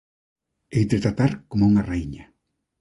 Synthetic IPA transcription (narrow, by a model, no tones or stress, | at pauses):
ejt̪ɾet̪at̪aɾkomauŋarajɲa